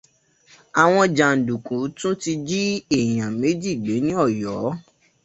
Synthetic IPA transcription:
a˨w̃ɔ̃˧d͡ʒa˨n̩˨dũ˨kũ˨˦tũ˦ti˧d͡ʒi˦e˦˨j̃ã˨me˨˦d͡ʒi˦˨ɡ͡be˨˦nĩ˦ɔ˦˨jɔ˨˦

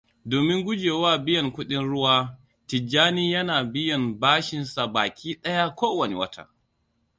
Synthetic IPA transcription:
doː˨mɪ˦ŋɡʷʊ˦d͡ʒeː˨waː˦˨bɪ˦jɐ˨ŋkʷʊ˦ɗɪ˦nɽʊ˦waː˦ | tɪ˨d͡ʒːaː˦niː˦jɐ˦naː˨bɪ˦jɐ˨mbaː˦ʃɪ˨nsa˨baː˨kʲʰiː˦ɗɐ˦ja˦kʷoː˦wɐ˨ne˨wɐ˦tʰa̰˦

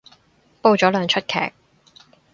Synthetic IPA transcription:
po˧wt͡ʃɔː˨˥lœː˨˩ŋt͡ʃʰɵ˥t̚kʰɛ̰ː˨˩k̚

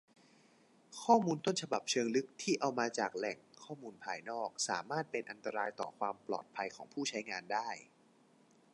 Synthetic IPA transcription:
kʰɔː˥˩muː˧nt̪o˥˩nt͡ɕʰa˧ba˨˩p̚t͡ɕʰɤː˧ŋlɯ˦˥k̚t̪ʰiː˥˩ʔa˧wmaː˧t͡ɕaː˨˩k̚lɛ˨˩ŋkʰɔː˥˩muː˧npʰaː˧jnɔː˥˩k̚saː˩˦maː˥˩t̪̚pe˧nʔa˧nt̪a˧ɾaː˧jt̪ɔ̰ː˨˩kʰwaː˧mplɔ̰ː˨˩t̪̚pʰa˧jkʰɔː˩˦ŋpʰuː˥˩t͡ɕʰa˦˥jŋaː˧ndaː˥˩j

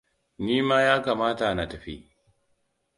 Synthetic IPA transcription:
niː˦maː˦jaː˦kaː˨maː˦ta˨na˨tɐ˨ɸḭ˦ʔ

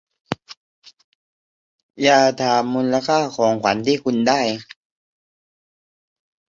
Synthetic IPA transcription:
jaː˧˩t̪ʰaː˨˧˩mːu˧nla˧kʰaː˥˩kʰɔː˩˦ŋkʰwa˩˦nt̪ʰiː˥˩kʰu˧ndaː˥˩j

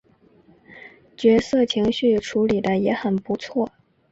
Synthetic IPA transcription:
t͡ɕɥɛ˧˥sɤ˥˩t͡ɕʰi˧˥ŋɕy˥˩ʈ͡ʂʰu˧˥li˨˩d̪ə˦jɛ˧˥xə˨˩npu˧˥t͡sʰwɔ˥˩

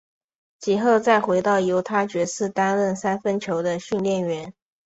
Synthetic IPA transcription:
t͡ɕi˨˩xo˥˧ʊt͡sa˥˩ɪxwe˧˥ɪt̪ɑ˥˩ʊjo˧˥ʊt̪ʰa˥t͡ɕɥɛ˧˥sɹ̩˥˩t̪a˥nɻə˥˩nsa˥nfə˥nt͡ɕʰjo˧˥ʊd̪ə˧ɕy˥˧nljɛ˥˩nɥɛ˧˥n

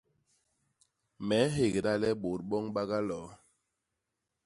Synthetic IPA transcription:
mɛ˨˦ɦe˨ɡe˨da˦lɛ˦ɓo˨t̚ɓɔ˦ŋɓa˦ɣa˦lɔ˨

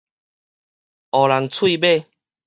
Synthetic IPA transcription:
ɔ˨˩la˨˦ŋt͡sʰwi˥˧be˥˧˨

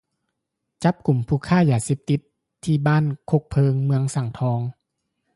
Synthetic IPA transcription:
t͡ɕa˧˦˥p̚ku˨˩mpʰuː˧˩kʰaː˥˩˨jaː˧˩seː˧˦p̚t̪i˧˦t̪ʰː | iː˧baː˥˨nkʰo˧˩k̚pʰɤː˧ŋmɯ˧əŋsa˨˩ŋt̪ʰɔː˧ŋ

